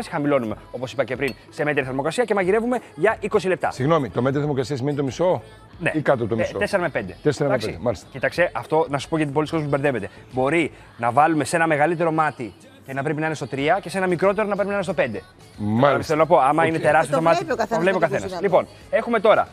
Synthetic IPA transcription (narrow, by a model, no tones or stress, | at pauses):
ɐsi̥xɐmilo̞nume̞o̞posi̥pɐce̞pɾin | se̞met̪eɾiθɐɾmokɐsiɐce̞mɐʝiɾe̞vume̞ʝɐʔiko̞sile̞p̚t̪ɐ̰siɣno̞mit̪ome̞t̪ɾiθɐɾmokɐsiɐsimenit̪omiso̞ | nḛikɐt̪ot̪oisoeseɾɐmepend̪et̪eseɾɐmmɐepseiemɐlist̪ɐcit̪ɐkst̪e̞ʔɐft̪o̞nɐsu̥po̞ʝɐt̪̬ipoliskoos̬ubeɾðe̞ve̞t̪e̞ | bo̞ɾi | nɐvɐlume̞se̞nɐme̞ɣɐlit̪e̞ɾo̞mɐt̪i | cenɐpɾep̬inɐinest̪o̞t̪ɾiɐce̞se̞nɐmikɾo̞t̪e̞ɾo̞nɐpɾepinɐinest̪o̞pe̞nd̪e̞ | mɐlsθelonɐpo̞ɐmɐinet̪eɾɐst̪iost̪omɐt̪ikɐovlepiokɐθenɐslipo̞n | e̞xume̞t̪o̞ɾɐ̰